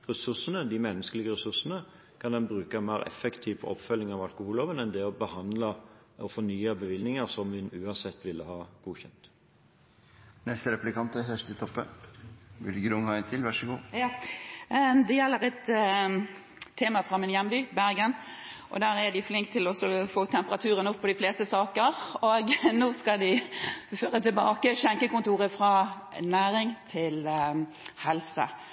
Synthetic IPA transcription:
ʁɛsʉʂənəd̪ɪmɛnːəskəlɪɡəʁɛsʉʂənə | kʰɑnd̪ɛnbʁʉːkəmæɪɾɛ̰fəkt̪ʰiːʋpʰɔ̰pfœlːɪŋɑʋɑlkʊhuːlhoːʋənɛnd̪ɛɔbəhɑnd̪lə | ʔɔfɔnyːəbəʋɪlnɪŋəsɔmʋɪnʉːɑnsɛt̪ːʋɪlːəhɑːɡ̥uːçɛnt̪ | nɛst̪əɾɛplɪkɑnt̪æfœʂʈ̪ət̪ʰɔpːə̰ | ʋɪlɡɾʊŋhɑːɛnt̪ʰɪlʋæʂəɡuː | d̪ɛjɛlːəʁɛt̪ | eːmɑfɾɑmɪnjɛnbyːbæɾɡənʔɔ̰d̪æːɾæd̪ɪflɪŋkt̪ʰːɪlɔsɔfoːt̪ʰɛmpəʁɑt̪ʰʉːɾənʊpʰːɔd̪ɪfleːst̪əsɑːkəʁoːɡnoːskɑd̪ɪføːʁət̪ʰɪlbɑːkəʃɛŋkəkʊnt̪uːʁəfʁɑ | næːɾɪŋt̪ʰɪl | hɛlsə̰

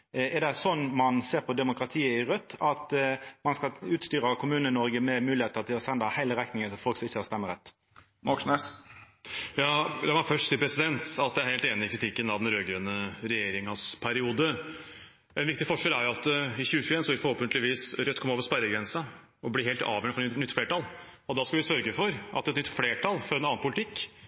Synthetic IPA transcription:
ɛʁd̪ɛsɔnːmɑnseːʁpɔd̪ɛmʊkɾɑt̪ʰiːəɪɾœt̪ːɑt̪mɑnskɑʉːt̪st̪yːɾɑkʰʊmʉːnəɪnɔɾɡəmɛmʉːlɪeːt̪əʁt̪ʰɪlɔsɛnd̪ɑhɑhæɪləʁɛknɪŋət̪ʰɪlfɔlksɔmɪçːəɑst̪ɛmːəɾʁɛt̪ː | mɔkʂnɛs | jɑːd̪ɛmɔfœʂʈsiːəpʰɾɛsɪd̪ɛnt̪ɑt̪̚d̪ɛæɾheːlt̪eːnɪɪkʰɾɪt̪ʰɪkːənɑʋd̪ɛnɾøːɡɾønːəɾɛjeːɾɪŋɑspʰæɾɪuːd̪ə | ɛnʋɪkt̪ɪfɔʂɛlæɾjʊɑt̪ɪçʉːəçʉeːnsɔʋɪfɔɾhoːpənt̪lɪʋiːsɾœt̪ːkʰɔmoːʋəɾspæɾəɡɾɛnsə | ɔblɪɦeːlt̪ɑ̰ːʋjœɳəfɔɾnʏt̪ːfleːʈɑl | ɔd̪ɑskɑʋɪsœɾɡəfɔɾʔɑt̪ːɛt̪nʏt̪ːfleːʈʰɑlfɔɾɛnɑːnpʊlɪt̪ʰɪkː

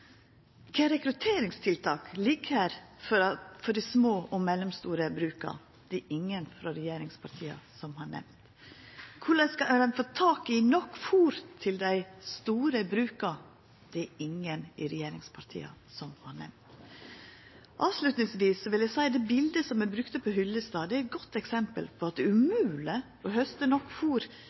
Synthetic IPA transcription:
kʰɛɾɛkɾʉt̪ʰeːɾɪŋst̪ʰɪlt̪ʰɑːkliːkʰəɾfɔfɔɖæsmoːʔɔmɛlːɔmst̪uːɾəbɾʉːkɑ̰ | d̪̥ɛʔɪŋːənfɾɑɾɛjeːɾɪŋspʰɑɾt̪ʰiːɑ̰sɔmhɑɳɛ̰ʋnt̪ | kʰʊɭɑskɑd̪ɛnfoːt̪ʰɑːkɪnɔkːfuːɾt̪ʰːɪld̪æɪst̪uːɾəbɾʉːkɑ | d̪̥ɛɪŋːənɪɾɛjeːɾɪŋspʰɑɾt̪ʰḭːɑ̰sɔmhɑɳɛ̰mnt̪ | ʔɑːʋʂlʉt̪nɪŋsʋiːsːɔʋɪljæɪsæɪd̪ɛːbɪld̪əsɔmɛbɾʉkt̪əpʰɔɦʏlːəst̪ɑːd̪ɛæɾɛt̪̚ɡɔt̪ːɛksɛmpə̰lpʰɔɑt̪̚d̪ɛʉmʉːlə | ɔhœst̪ənɔkːfuːɾ

